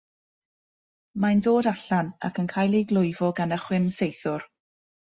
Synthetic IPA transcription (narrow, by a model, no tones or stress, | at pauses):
majndoːdaɬana̰kʰənkʰajlˠejɡlˠʊjvɔɡanəχwɪnsejθʊr